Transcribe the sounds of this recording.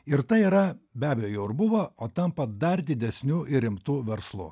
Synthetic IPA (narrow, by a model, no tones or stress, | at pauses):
ɪɾt̪ɐɪiːɾɐbʲæːbʲɛjoːjɛʊɪɾbʊʋoːoːt̪ɐmpɐd̪ɐɾd̪ʲɪd̪ʲɛsʲnʲuːʔɪɾʲɪmt̪uːʋʲɛɾslˠʊ̰